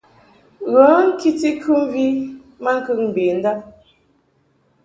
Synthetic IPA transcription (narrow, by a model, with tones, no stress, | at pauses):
ɣɔː˨˦ŋ̩˦ki˦ti˦kʰʉ˦m̩˦vi˦ | ma˦ŋ̩˦kʉ˦˨k̚m̩˨be˨n̩˦da˦˨ʔ̚